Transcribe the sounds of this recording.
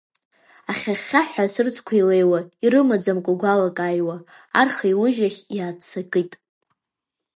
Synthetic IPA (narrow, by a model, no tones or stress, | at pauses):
aχʲaχʲaħʷᶣasɨrt͡sʰʼkʷʰaile̞jwaiɾɨmad͡zamkʷʼaɡʷalakʼajwa | arχaiwʊʒaχʲjaːt͡sʰakʼɨtʼ